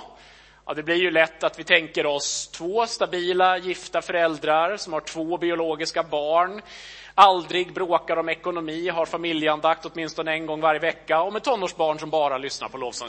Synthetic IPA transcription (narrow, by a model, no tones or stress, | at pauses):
ɑ̰d̪ɛblɪɾjɵlɛt̪ːat̪vɪt̪ʰɛŋkəɾɔst̪ʰvoːst̪abiːlajɪft̪afœɾɛld̪ɾaɾsɔmhaʈʰv̥oːbɪʊloːɡɪskabɑːɳ | ald̪ɾɪɡbɾoːkaɾɔmɛkʊnʊmiːɦaɾfamɪljəand̪akt̪ɔt̪mɪnst̪ɔnəɛnɡɔŋːvaɾjəvɛkːaɔmɛt̪ʰːɔnːoːʂbɑːɳʂɔmbɑːɾalʏsna̰ɾpʰɔloːvsɔ̰